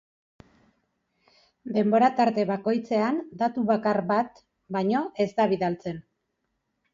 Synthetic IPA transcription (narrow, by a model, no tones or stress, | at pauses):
d̪e̞mbo̞ɾat̪aɾt̪e̞βako̞jt͡se̞and̪at̪uβakarβat̪ | bajɲo̞ʔe̞zd̪aβ̞iðalt͡se̞n